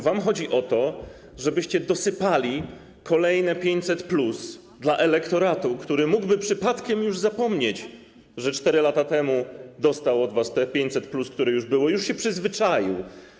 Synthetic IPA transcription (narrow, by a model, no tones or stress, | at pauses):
vamxɔd͡ʑiʔɔt̪ɔ | ʐɛbɘɕt͡ɕɛd̪ɔsɘpalʲi | kʰɔlɛjnɛpʲjeɲt͡ɕt̪ʲsɛt̪plus | d̪laʔɛlɛkt̪ɔɾat̪ukt̪uɾɘmuɡbɘpʂɘpat̪kʲɛmjuʐzapɔmɲet͡ɕ | ʐɛt͡ʂt̪ɛɾɘlat̪at̪ɛmud̪ɔst̪awɔd̪vast̪ɛpʲjeɲt̪sɛt̪plusk̚t̪uɾɛjuʐbɘwɔjuʂɕɛpʂɘzvɘt͡ʂajḭw